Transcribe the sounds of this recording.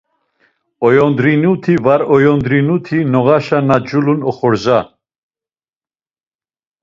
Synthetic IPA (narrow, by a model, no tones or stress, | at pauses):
ɔjɔnd̪ɾinut̪ʰivaɾɔjɔnd̪ɾinut̪ʰinɔɣaʃanad͡ʒulunɔ̰χɔɾza